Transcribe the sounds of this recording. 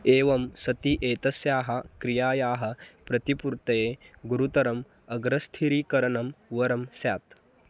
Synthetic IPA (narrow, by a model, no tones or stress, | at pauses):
eːʋɐmsɐt̪iʔeːt̪ɐsjaːɦɐkɾijaːjaːɦɐ̆pɾɐt̪ipuɾt̪ɐjeːɡuɾut̪ɐɾɐm | ɐɡɾɐst̪ʰiɾikɐɾɐɳɐmʋɐɾɐmsjaːt̪